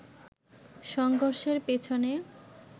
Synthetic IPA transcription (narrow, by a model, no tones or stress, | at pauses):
ʃɔŋɡʱoɾʃeɾpet͡ɕʰone